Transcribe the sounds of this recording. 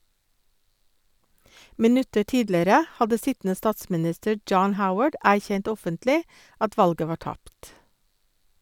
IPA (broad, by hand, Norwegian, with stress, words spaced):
mɪˈnʉtəɾ ˈtiːdləɾə ˈhɑdə ˈsɪtn̩ə ˈstɑːtsmɪˌnɪstəɾ ˈd͡ʒɑːn ˈhaʊwəɖ ˈæːçɛnt ˈɔfəntlɪ ˈɑt ˈʋɑlɡə ˈʋɑː ˈʈɑpt